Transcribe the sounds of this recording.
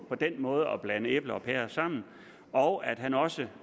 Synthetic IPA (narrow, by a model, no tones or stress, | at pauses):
pʰɒ̽d̥enmɔ̽ːð̞ˠəɒb̥lænəeb̥ləɒ̽pʰeɐsɑ̈m̰n̩ | ɒʊʔæd̥ɦænɒ̽sə